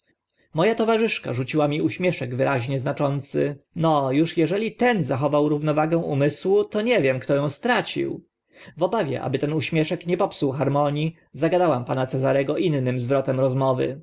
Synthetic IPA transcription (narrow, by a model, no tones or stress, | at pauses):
mɔjat̪ɔvaʐɘʂka̰ʐut͡ɕiwamʲiuɕmʲjɛʂɛɡvɘɾʔaʑɲɛznat͡ʂɔnt̪sɘ̰nɔjuʂjɛʐɛlʲit̪ɛnzaxɔvawɾuvnɔvaɡɛ̃w̃umɘswut̪ɔɲɛvʲjɛmkt̪ɔjɔ̃w̃st̪ɾat͡ɕḭw | vɔbavʲjɛ̰ʔa̰bɘt̪ɛnuɕmʲjɛʂɛkɲɛpɔpsuwxaɾmɔɲi | zaɡad̪awampanat̪sɛzaɾɛɡɔʔinːɘmzvɾɔt̪ɛmɾɔzmɔvɘ̰